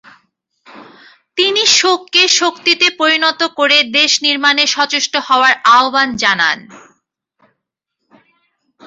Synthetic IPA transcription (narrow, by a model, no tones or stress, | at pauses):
t̪iniʃokːeʃokt̪it̪epoɾinɔt̪okoɾed̪eʃniɾmaneʃɔt͡ɕoʃʈoɦɔoaɾaoband͡ʑana̰n